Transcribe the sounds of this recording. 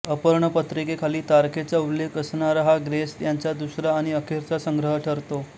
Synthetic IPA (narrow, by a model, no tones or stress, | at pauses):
əpəɾɳəpət̪ɾikekʰaliːt̪aɾkʰet͡saulːekəsɳaɾaɦaɡɾest̪jaɲt͡ɕjad̪usɾaːɽ̃iəkʰeɾt͡sasəŋɡɾəɦəʈʰəɾt̪o